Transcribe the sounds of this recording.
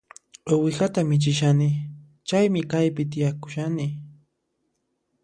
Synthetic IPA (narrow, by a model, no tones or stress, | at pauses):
owɪɢat̪amɪt͡ʃɪʃanɪ | t͡ʃajmɪkajpɪt̪̬ɪjakʊ̥ʃanɪ